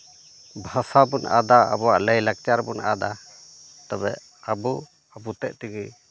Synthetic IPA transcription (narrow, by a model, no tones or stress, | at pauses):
bʱasabunʔa̰d̪aa̰bɔwa̰ʔləjlak̚t͡ʃaɾbunad̪a | t̪abɛ̰ʔ | abu | abut̪ɛʔ̚t̪iɡi